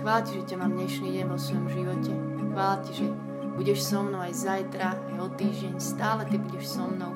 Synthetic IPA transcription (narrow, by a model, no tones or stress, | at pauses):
xʋaːlciʒɛcɛmaːmd̪ɲɛʃniːɟɛnʋɔsʋɔjɔmʒiʋɔcɛ | xʋaːlaciʒɛ | b̥uɟɛʃsɔmnɔʊajzajt̪ɾaajɔt̪iːʒɟɛɲst̪aːlɛt̪ibuɟɛʃsɔmnɔʊ